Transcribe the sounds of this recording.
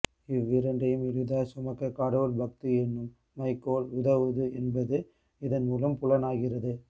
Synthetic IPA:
ɪʋːɪɾɐɳɖɐjɯmɪɻɯðaːsʊmɐɣɐkaːɽɐʋɐlbɐk̚t̪iɛnːɯmː | ɐɪkːoːlʊðɐʋɯðɯɛnbɐðɯ | ɪðɐnmuːlɐmpʊɭɐnaːɣɪrɐðɯ

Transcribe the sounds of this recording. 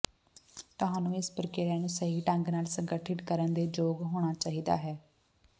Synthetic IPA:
t̪ʊɦaːnũːɪspəɾkeːɾɛːnũːsəɦiːʈə̃ŋɡnaːlsəŋɡəʈʰɪʈkəɾənd̪eːd͡ʒoːɡɦoːɽ̃aːt͡ʃaːɦiːd̪a̰ːɦɛː

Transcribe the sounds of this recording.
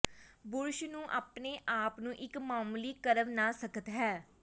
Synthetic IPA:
bʊɾʃnũːʔaːpneːʔaːpnũːʔɪkmaːmliːkəɾəʋnaːsəkət̪ɦɛː

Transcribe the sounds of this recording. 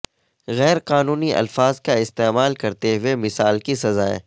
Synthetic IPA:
ɣɛːɾqaːnuːniʔɐ̰lfaːzkaɪst̪eːmaːlkɐɾt̪eɦʊemɪsaːlkisɐzaːḛ̃ː

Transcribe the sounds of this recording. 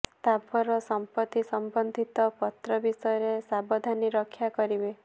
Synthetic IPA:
st̪abʱɔɾɔsɔmpɔt̪ːisɔmbɔnd̪ʱit̪ɔpɔt̪ɾɔbisɔjɾesabɔd̪ʱaniɾɔkʰjakɔɾibe

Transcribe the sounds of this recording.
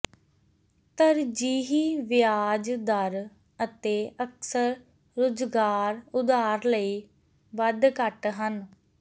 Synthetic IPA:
t̪əɾd͡ʒiːɦiːʋɪjaːd͡ʒd̪əɾ | ət̪eːʔəksəɾː | ʊd͡ʒɡaːɾʊd̪aːɾləiː | ʋəd̪kəʈɦən

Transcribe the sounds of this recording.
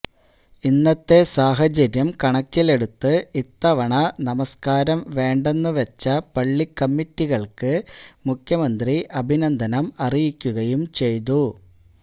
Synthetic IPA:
inːɐt̪ːe̞saːɦɐt͡ɕɐɾjɐmkɐɳɐkːile̞ɽut̪ːɨit̪ːɐʋɐɳɐnɐmɐskaːɾɐmʋe̞ːɳɖe̞nːɨʋɐt͡ɕːɐpɐɭːikːɐmːitːiɣɐɭkɨmukʰjɐmɐnd̪riʔɐbʱinɐnd̪ʱɐnɐmɐrijikʲːuɣɐjumt͡ɕe̞jt̪u

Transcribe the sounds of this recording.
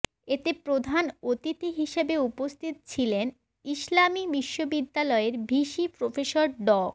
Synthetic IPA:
et̪epɾod̪ʱanot̪it̪iɦiʃebeupost̪ʰit̪ot͡ɕʰilen | iʃlamibiʃːobid̪ːalɔeɾbʱiʃipɾofeʃoɾɖɔ

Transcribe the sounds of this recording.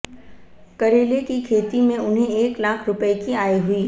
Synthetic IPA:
kɐɾeːlekikʰeːt̪imẽʊnɦẽeːklaːkʰɾʊpəekiaːiɦʊiː

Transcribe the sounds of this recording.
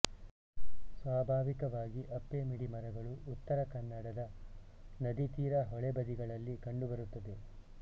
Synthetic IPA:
sʋaːbʱaːʋikɐʋaːɡiʔɐpːemiɽimɐɾɐɡɐɭuːt̪ːɐɾɐkɐnːɐɽɐd̪ɐ | nɐd̪it̪iːɾɐɦɔɭebɐd̪iɡɐɭɐlːikɐɳɖubɐɾut̪ːɐd̪e̞

